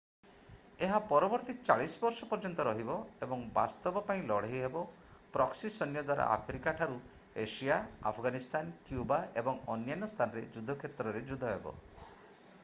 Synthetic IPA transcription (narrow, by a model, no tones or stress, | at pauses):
eɦapɔɾɔbɔɾt̪it͡ʃaɭisɔbɔɾsɔpɔɾd͡ʒɔnt̪ɔɾɔɦibɔebɔŋba̰st̪ɔbɔpaĩlɔɽ̤eɦjɦebɔ | pɾɔksisɔnjɔd̪waɾa̰ʔa̰pʰɾikaʈʰaɾu | esiaa̰pʰɡanist̪ʰankjubaebɔŋɔnjanɔst̪ʰanɔɾḛd͡ʒud̪ʱɔkʰet̪ɾɔɾed͡ʒud̪ʱɔɦebɔ̰